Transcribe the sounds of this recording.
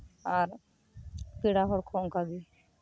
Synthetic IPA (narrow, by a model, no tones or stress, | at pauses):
aɾ | piɽaɦɔɽkʰɔŋkaɡi